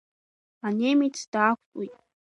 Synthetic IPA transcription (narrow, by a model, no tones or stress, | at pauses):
anʲemit͡st̪akʷt̪ʼuj